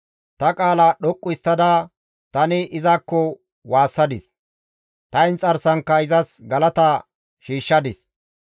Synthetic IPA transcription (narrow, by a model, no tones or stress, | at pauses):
t̪ɐkʼaːlɐɗɔkʼːʊɪst̪ːɐd̪a | t̪ɐnɪʔɪzɐkːɔ | waːsːɐd̪ɪs | t̪ɐɪnt͡sʼɐɾsɐŋkːɐɪzɐsɡɐlɐt̪ɐ | ʃiːʃːɐd̪ɪs